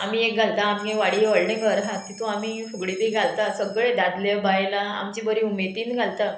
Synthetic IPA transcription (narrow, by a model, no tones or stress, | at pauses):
amiːek̚ɡʱalt̪aːmɡeʋaɽiʋəɽɳẽkəɾɦat̪it̪ũamiːsʰoɡɽid̪iːɡʱalt̪asəɡɭed̪ad̪lebajlaa̰mt͡ɕibəɾiumet̪iːnɡʱalt̪a